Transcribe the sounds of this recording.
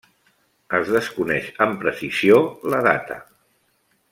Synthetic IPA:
əzðəskunɛʃəmpɾəsiz̥ioləða̰t̪ə̰

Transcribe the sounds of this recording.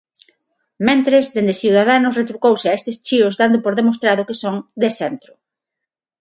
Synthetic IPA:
mẽnt̪ɾezðend̪esθiuwðaðanʊsret̪ɾukowseaest̪est͡ʃiʊzðand̪ʊpoɾðemost̪ɾaðʊkesoŋd̪esɛnt̪ɾʊ

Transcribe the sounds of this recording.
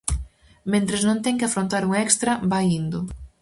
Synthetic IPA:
mẽnt̪ɾeznõnt̪ɛŋkɪafɾõnt̪aɾuŋɛkst̪ɾɐbajind̪ʊ

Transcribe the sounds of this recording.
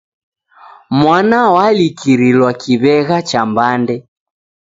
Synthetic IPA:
mwanawalikiɾilwakiβɛɣat͡ʃambandɛ

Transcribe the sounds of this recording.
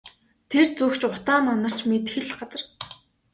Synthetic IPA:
t̪ʰert͡sukt͡ɕʊt̪aːmɔnə̆r̥t͡ɕmet̪xɘ̆ɮɢat͡sə̆r

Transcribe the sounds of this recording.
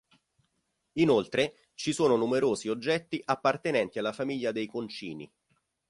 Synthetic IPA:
inolt̪ɾe | t͡ʃisoːnonumeɾoːziod͡ʒːɛt̪ːiʔapːart̪enɛnt̪ialːafamiʎːad̪ejkont͡ʃiːnḭ

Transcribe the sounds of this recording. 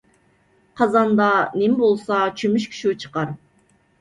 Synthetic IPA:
qʰɑzɑnd̪ɑnɪmbolˠsɑt͡ʃʰymyʃkʲʰy̥ʃiwt͡ʃʰə̥qɑɾ

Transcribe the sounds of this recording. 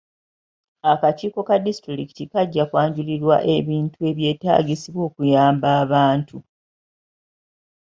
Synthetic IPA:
akaciːko̞kadistɾiɾiki̥tikaɟːakwaːɲɟuliɾwa̰ʔe̞βiːntue̞ːβje̞ːta̰ːɡisiβwo̞ːkujaːmbaːβaːntʰu

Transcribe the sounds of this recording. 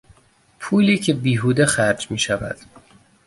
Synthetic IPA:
pʰuːliːcʰe̞biːɦuːd̪exæɾd͡ʒmiːʃævæ̰d̪̥

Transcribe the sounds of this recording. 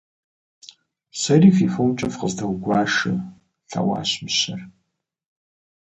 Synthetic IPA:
sɐriːfifomt͡ʃʼɐfqəzdʰɐwɡʷɑːʂɨ | ɬʰɐ̰wa̰ːɕmɨɕɐr

